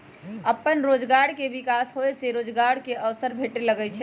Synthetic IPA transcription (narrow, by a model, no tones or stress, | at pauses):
əpːənɾod͡ʒɡaɽkebikasɦoeseɾod͡ʒɡaɽkeʔəʋsəɾbʱeʈeləɡɛt͡ʃʰɛ